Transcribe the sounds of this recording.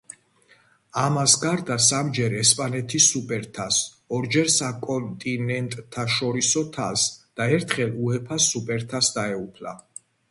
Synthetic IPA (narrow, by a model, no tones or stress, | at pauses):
amasɡaɾd̪asamd͡ʒɛɾɛspʼanɛt̪ʰisupʼɛɾt̪ʰas | ɔɾd͡ʒɛɾsakʼɔnt̪ʼinɛnt̪ʼt̪ʰːaʃɔɾisɔt̪ʰa̰sd̪̥aɛɾt̪ʰχɛluɛpʰasupʼɛɾt̪ʰasd̪aɛupʰla̰